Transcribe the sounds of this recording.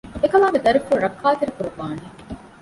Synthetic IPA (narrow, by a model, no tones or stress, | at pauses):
ekɐlaːŋɡed̪ɐɾikuɾɾɐkʰːaːt̪eɾekuɾuʋaːne